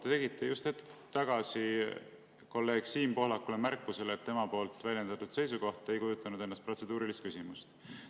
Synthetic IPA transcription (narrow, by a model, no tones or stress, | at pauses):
t̪et̪e̞ɡ̥it̪ʰːˑejust̪e̞t̪ːˑt̪ːɑɡ̥ɑsi | ko̞lːe̞ːɡ̥siːmpo̞hlɑkːˑulemærkːˑuse̞let̪ːe̞mɑpo̞ːlt̪ːˑvælʲjend̪̥ɑt̪ud̪̥se̞jsuko̞ht̪e̞jkujut̪ːˑɑnud̪̥enːɑst̪̚pro̞t̪se̞d̪̥uːɾilist̪kysimust̪